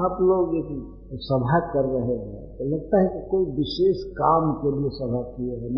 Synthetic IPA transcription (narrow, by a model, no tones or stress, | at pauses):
aploːɡeɦi | sɐbʱakɐɾːɐɦeɦɛ̃t̪olɐɡ̚t̪aɦɛkikoːiʋɪʃeːʃkaːmkeliesɐbʱakieɦɛn